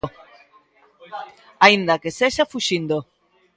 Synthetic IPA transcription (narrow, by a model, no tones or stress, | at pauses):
aind̪akeseʃafuʃind̪o